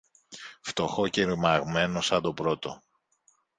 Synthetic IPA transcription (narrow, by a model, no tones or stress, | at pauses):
ft̪o̞xociɾmɐɣme̞nosɐnd̪o̞pɾo̞t̪o̞̰